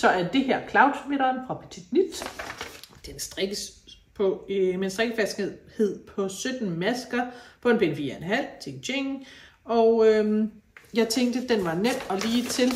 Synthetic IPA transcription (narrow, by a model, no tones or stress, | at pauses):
sɒ̽æɐd̥e̝hæɐ̰kʰlɑ̈ʊd̥sme̝ɾ̥ɐːnfʁɑ̈pʰæ̥t͡sʰid̥nid̥ | d̥ensd̥ʁeɡ̥əs | pʰɒmensd̥ʁɛɡ̥əfæsɡ̥he̝ð̰ˠhe̝ð̞̰ˠpʰɒ̽sød̥n̩mæsɡ̥ɐpʰɒ̽e̝npʰenfiːɐenɦæl̰t͡sʰeɡ̥ɕʰeŋ | ɒʊømjɑ̈ɪt͡sʰeŋɡd̥əd̥enʋɑ̈nem̰ɒ̽liːt͡sʰe̝l